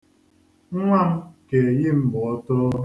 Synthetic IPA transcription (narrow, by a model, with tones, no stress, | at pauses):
ŋʷa˦m̩˦ke˨jɪ˦m̩˦˨bʊ˨ɔ˦tʊ˦